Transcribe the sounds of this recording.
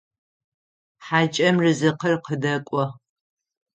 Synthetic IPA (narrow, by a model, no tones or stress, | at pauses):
ħad͡ʒʼɐmrɨzɨqərqʰədɐkʷʼɔ